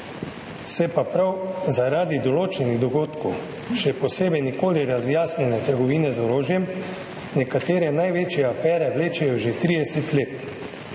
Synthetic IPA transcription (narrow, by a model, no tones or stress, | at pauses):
sɛpapɾawzaɾaːd̪id̪ɔloːt͡ʃɛniɣd̪ɔɡoːt̪kow | ʃɛpɔseːbɛjnikoːliɾazjaːsnʲɛnɛt̪əɾɡɔʋiːnɛzɔɾoːʒjɛm | nʲɛkat̪eːɾɛnajʋeːt͡ʃjɛafɛːɾɛʋleːt͡ʃɛjɔʒet̪ɾiːd̪ɛsɛt̪leːt̪